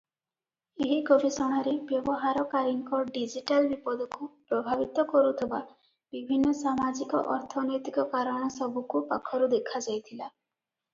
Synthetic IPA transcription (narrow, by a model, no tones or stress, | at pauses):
eɦikobisɔɽ̃aɾebjɔbɔɦaɾɔkaɾiŋkɔɖid͡ʒiʈalbipɔd̪ʱɔkupɾɔbʱabit̪ɔkɔɾut̪ʰeba | bibʱinːɔsamad͡ʒikɔ̰ʔɔɾt̪ʰɔnɔjt̪ikɔkaɾɔɽ̃ɔsɔbʱukupakʰɔɾud̪ekʰad͡ʒajt̪ʰila